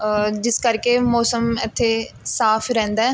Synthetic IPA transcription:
d͡ʒɪskəɾkeːmɔːsəmɪt̪ʰːeːsaːpʰɾɛ̃ːnd̪aː

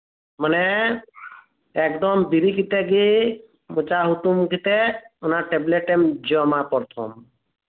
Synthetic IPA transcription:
mənɛ | ekd̪ɔmbiɾikit̪ɛɡi | mut͡ʃaɦuk̪umkit̪eʊnaʈebleʈemd͡ʒɔmapɔɾt̪ʰɔ̰m

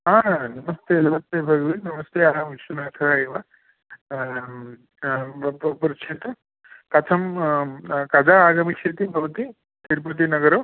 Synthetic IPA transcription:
ɦãːnɐmɐst̪eːlɐmɐst̪eːbʱɐɡʋinɐmɐst̪eːaːɐmʋiʃunaːt̪ʰɐɾaeːʋa | ɐpɐpuɾʂit̪ɐ | kɐt̪ʰɐm | kɐd͡ʒaaːɡɐmikʂet̪ibʱɐʋɐt̪i | t̪ʰiɾp̬ɐt̪̬inɐɡɐɾoː

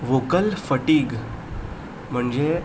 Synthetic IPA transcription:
ʋokəlfəʈiːɡ | m̤əɳd͡ze

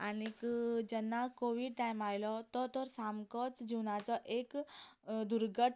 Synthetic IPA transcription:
anikd͡ʑɛnːakoʋiɽʈajmajlɔt̪ɔt̪ɔɾsamkɔt͡sd͡ʑiwnat͡sɔʔek | d̪uɾɡəʈ

